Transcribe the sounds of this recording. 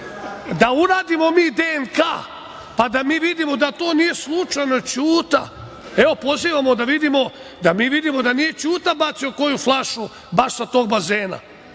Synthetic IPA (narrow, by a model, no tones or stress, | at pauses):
d̪auɾaːd̪imo̞miːd̪enka̰ː | pad̪amiːʋid̪imo̞d̪at̪o̞ːnije̞slˠut͡ʃajno̞t͡ɕuːt̪a̰ | eo̞po̞ziːʋamo̞d̪aʋid̪imo̞d̪amiːʋid̪imo̞d̪anije̞t͡ɕuːt̪abat̪sioko̞juflˠaʃu | baʃsat̪o̞ːɡbazeːna̰